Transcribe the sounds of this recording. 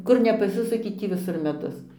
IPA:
ˈkʊr nʲɛpɐˈsʲɪsʊkʲɪ ˈtʲiː ʋʲɪˈsʊr mʲɛˈdʊs

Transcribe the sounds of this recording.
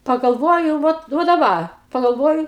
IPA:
pɐɡɐlˠˈʋoːjʊ ˈʋɐt ʋɐ dɐˈbɐ pɐɡɐlˠˈʋoːjʊ

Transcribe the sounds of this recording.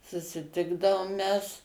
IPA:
sʊsʲɪˈtʲɪɡdɐʋoːm ˈmʲɛs

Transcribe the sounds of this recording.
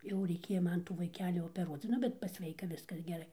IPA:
jɛʊ rʲɛɪˈkʲeːjɛ ˈmɐn ʋɐɪˈkʲæːlʲɪ oːpʲɛˈruɔt͡s ˈnʊ bʲɛt pɐsʲˈʋʲɛɪkɐ ˈʋʲɪskɐs ɡʲɛˈrɐɪ

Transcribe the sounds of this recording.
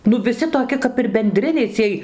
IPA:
ˈnʊ ʋʲɪˈsʲɪ toːˈkʲɪ kɐp ɪr bʲɛnʲˈdʲrʲɪnʲɛɪ ˈt͡sʲiɛj

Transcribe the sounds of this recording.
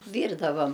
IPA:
ˈʋʲiːrdɐʋɐm

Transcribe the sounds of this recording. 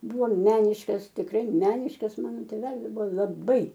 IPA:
ˈbʊʋoː ˈmʲæːnʲɪʃkɐs tʲɪkˈrɐɪ ˈmʲæːnʲɪʃkɐs ˈmɑːnoː tʲeːˈʋʲæːlʲɪs ˈbʊʋoː lˠɐˈbɐɪ

